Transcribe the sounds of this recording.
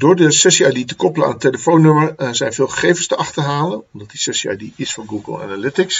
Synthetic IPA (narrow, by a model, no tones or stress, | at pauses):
dʊːɹdəsɛsiaditəkɔpələna̰ːnətːeləfownøməɹzɛjnvɪːlˠχə̥χejvənstəʔɑχtəɦaːlənɔmdɑt̚disɛsia̰diɪsfɑnɡuɡə̰lˠa̰nalɪtɪks